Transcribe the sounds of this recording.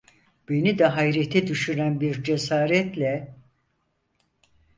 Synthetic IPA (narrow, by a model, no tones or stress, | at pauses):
b̥e̞nid̪ɛɦajɾet̪ʰɛd̪yʃyɾænbiɾd͡ʒesaːɾɛt̪lʲɛ